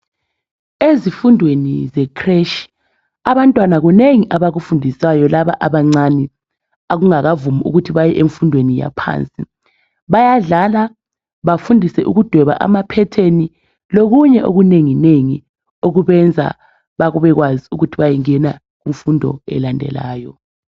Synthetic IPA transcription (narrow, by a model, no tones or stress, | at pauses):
ezifundʱwenizɛkʰreʃ | aβantʼwanaɣuneŋiʔaβaɣufundʱisajɔlaβa̰ʔaβaŋ͡ǀani | aɣuŋaɣavumuʔṵɣutʰiβajɛʔeɱfundʱwenija̰pʰa̰nt͡sʼi | βajaɮala | βafundʱisɛʔuɣud̥ʱɛβa̰ʔa̰mapʰɛtʰeni | loɣuɲɛʔo̰ɣuneŋineŋi | oɣuβɛnd͡zʱa̰ | βaɣuβɛɣwaziuɣutʰiβajɛŋɛna | ɣuɱfundʱɔ̰ɛ̰landʱɛ̰laːjɔ